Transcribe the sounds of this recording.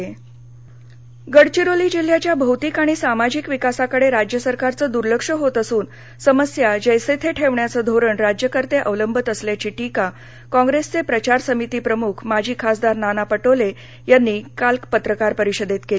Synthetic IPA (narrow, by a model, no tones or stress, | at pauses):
ɡəɽt͡ɕiɾoliːd͡ʑil̤ːjat͡ɕjabʱəwt̪iːkaɽ̃isamad͡ʑikʋikasakəɽeɾad͡ʑjəsəɾkaɾt͡səːd̪uɾləkʂəɦot̪əsuːn | səməsjad͡ʑəjset̪ʰeʈʰeʋɳjat͡səd̪ʱoɾəɳɾad͡ʑjəkəɾt̪eʔəʋləmbʱət̪əsljat͡ɕiːʈika | kɔ̃ŋɡɾest͡sepɾət͡ɕaɾsəmit̪iːpɾəmukʰmad͡ʑʱiːkʰasd̪aɾnanapəʈole | janːiːkalkpət̪ɾəkaɾpəɾiɕəd̪et̪keli